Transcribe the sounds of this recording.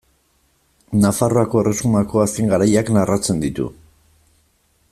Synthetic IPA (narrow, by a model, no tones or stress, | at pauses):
nafaro̞ako̞e̞re̞sumako̞aske̞ŋɡaɾajaknarat͡se̞nd̪it̪ṵ